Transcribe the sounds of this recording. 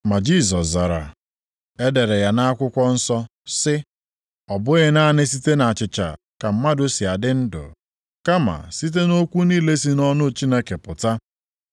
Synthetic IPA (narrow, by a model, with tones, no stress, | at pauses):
ma˨d͡ʒi˦˨s̬ɔ˨sza˨ɾa̰˨ | e˦de˨ɾe˨ja˨na˦a˦kʷʊ˦kʷɔ˦n̩˦sɔ˦ | sɪ˦ | ɔ˨bʊ˦ɣɪ˦na˦nɪ˦s̬i˦te˦na˨t͡ʃɪ˨t͡ʃa̰˨ | ka˨m̩˨˦ma˦dʊ˦si˨a˨dɪ˦n̩˦dʊ̰˨ | ka˦ma̰˨si˦t̬e˦no˦kʷu˦niː˦le˦si˦nɔ˦nʊ˦t͡ʃi˦ne˦ke˨pʊ˨ta˦